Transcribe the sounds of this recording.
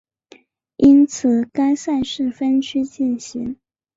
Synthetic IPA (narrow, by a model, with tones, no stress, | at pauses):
i˥nt͡sʰɹ̩˨˩ka˥ɪsa˥˧ɪʂɻ̩˥˩fə˥nt͡ɕʰy˥t͡ɕi˥˩nɕi˧˥ŋ